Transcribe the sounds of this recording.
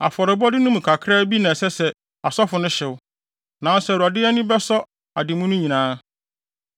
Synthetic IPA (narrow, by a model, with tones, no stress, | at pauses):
a̰˨fɔ˨ɾɪ˨bɔ˦dɪ˦nʊ̃˦mũ˨kʰa˨kʰɾaː˦bi˦nɛ̃˨sɛ˦sɛ˨ | a˨sɔ˦fʊ˨nʊ̃˦ɕɪ˨wʊ˦ | nã˨˦n˦sɛ˨ɾa˨dɪ˦ɛ˦nĩ˦bɛ˦sɔ˦ | a˨dɪ˨mũ˦nʊ̃˦ɲĩ˨nãː˨˦